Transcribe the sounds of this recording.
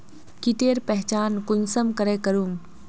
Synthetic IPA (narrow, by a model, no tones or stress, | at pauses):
kiʈeːɾpɛɦt͡ʃaːnkʊɲsəmkɐɾeːkɐɾuːm